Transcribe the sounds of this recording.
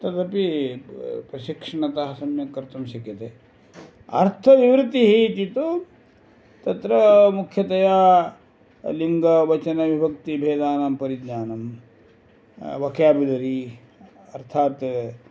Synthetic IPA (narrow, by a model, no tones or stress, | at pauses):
t̪ɐt̪ɐpi | pɾɐʃikʂɐɳɐt̪ɐɦɐsɐmjɐkɐɾt̪ɐmʃɐkjɐt̪e | ɐ̰ɾt̪ʰɐʋiʋɾɨt̪iɦit̪it̪u | t̪ɐt̪ɾɐmukʰjɐt̪ɐjaː | liŋɡɐʋɐt͡ʃɐnɐʋibʱɐk̚t̪ibʱeːd̪aːnampɐɾid̪ɲaːnɐm | ʋɐkʰjaːbid̪ɐɾi | ɐɾt̪ʰaːt̪